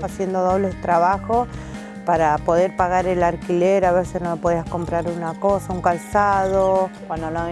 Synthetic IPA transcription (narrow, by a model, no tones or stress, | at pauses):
asjend̪oðo̞βlet̪ɾaβaxo | paɾapo̞ðeɾpaɣaɾelaɾkileɾaβeɾsesnomepo̞ðiasko̞mpɾaɾunakosauŋkalsaðokwand̪ona